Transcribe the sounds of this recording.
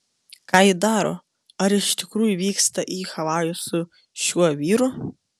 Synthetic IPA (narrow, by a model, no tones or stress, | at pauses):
kɑːjɪd̪ɑːɾo̰ː | ɐɾɪʃt̪ʲɪkɾuːjʊʋʲiːkst̪ɐʔiːxɐʋɑːjʊsʊ | ʃʲuɔʋʲiːɾʊ